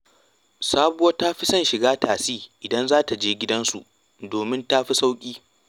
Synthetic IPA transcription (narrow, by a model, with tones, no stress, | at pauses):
saː˦bʊ˦ɐ˦taː˦ɸi˦sɐ˦nʃɪ˨ɡaː˦taː˨siː˦ʔɪ˨dɐ˦nzaː˦ta˨d͡ʒeː˦ɡʲɪ˦dɐ˦nsṵ˨ʔ | doː˨mɪ˦ntaː˦ɸi˦sa˦wkʲʼiː˦